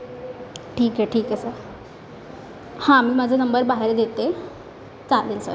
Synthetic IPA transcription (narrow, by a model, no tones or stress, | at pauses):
ʈʰiːkɦeʈʰiːkəsə | hãmiːmad͡zʱənəmbəɾbaɦeɾd̪et̪e | t͡salinsə̰